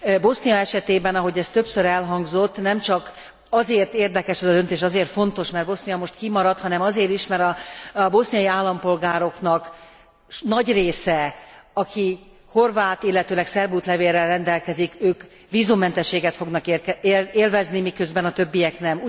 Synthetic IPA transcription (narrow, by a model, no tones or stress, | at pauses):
bo̞snijɒɛʃɛt̪eːbɛnɒɦo̞ɟɛst̪ø̞psøɾɛlɦɒŋɡzo̞t̪ːnɛmt͡ʃɒk | ɒzeːrt̪eːrd̪ɛkɛʃɛzɒd̪ø̞nt̪eːʃɒzeːrt̪fo̞n̪t̪o̞ʃmɛrd̪bo̞snijɒmoʃt̪kimɒɾɒt̪hɒnɛmɒzeːɾiʃmɛɾɒbo̞snijɒjiaːlːɒmpo̞lɡaːɾo̞knɒk | nɒɟreːsɛɒkʰi | ho̞rvaːt̪ilːɛt̪øːlɛksɛrbuːt̪lɛveːrːɛlrɛnd̪ɛlkɛzikøːk | ʋiːzumːɛnt̪ɛʃːeːɡɛt̪fo̞ɡnɒkereːlvɛznimikøzbɛnɒt̪øbːijɛknɛm